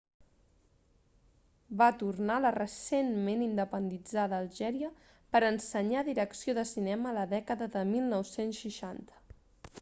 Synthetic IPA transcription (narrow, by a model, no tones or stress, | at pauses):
bat̪urnalərəsenmenind̪əpənd̪id͡zaðəːlˠʒɛɾiə | pəɾənsəɲaðiɾəksioðəsinɛməːləðɛkəðəðəmilˠnɔwsensʃiʃant̪ə̥